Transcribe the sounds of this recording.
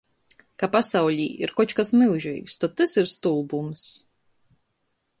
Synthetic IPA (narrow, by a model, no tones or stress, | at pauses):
kapasawʎʲiːiɾkɔt͡ʃkasmilˠʒḭːkst̪ɔt̪ːɨsiɾst̪ulˠbums